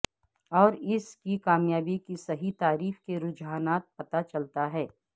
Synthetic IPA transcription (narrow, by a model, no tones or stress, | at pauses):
ɔːɾɪskikaːmjaːbikisɐɦit̪aːɾiːfkeɾʊd͡ʒɦaːnaːt̪̚pɐt̪at͡ʃɐlt̪aɦɛː